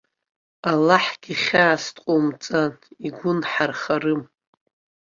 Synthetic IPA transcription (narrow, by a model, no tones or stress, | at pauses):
alːaħɡ̥ʲiχʲaːstʼqʷʼomt͡sʼaniɡʷʊnħarχarɨm